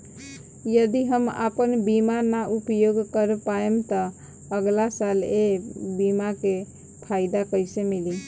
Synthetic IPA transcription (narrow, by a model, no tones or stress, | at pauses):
jəd̪iɦəma̰pənbimanaʔupjoɡkəɾepaemt̪ɔ | əɡlasalebimake | pʰaɪd̪akəjsẽmili